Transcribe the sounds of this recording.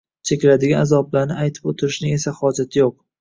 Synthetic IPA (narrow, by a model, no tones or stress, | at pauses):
t͡ʃʰe̞kʲlad̪ɪɡʲanazɒblaɾnɪajt̪ʰɪ̥pot̪ʰɪɾɪʃnɪe̞sahɒd͡ʒat̪ʰɪjoq̚